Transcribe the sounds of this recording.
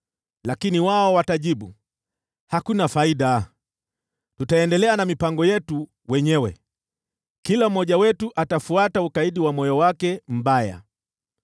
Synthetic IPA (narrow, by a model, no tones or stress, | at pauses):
lakiniwaɔwataʄiɓu | hakunafaiɗa | tutaɛndɛlɛanamipaŋɡɔjɛtu | wɛɲɛwɛ | kilam̩mːɔʄawɛtuʔatafuataukaiɗiwamɔjɔwakɛm̩baja̰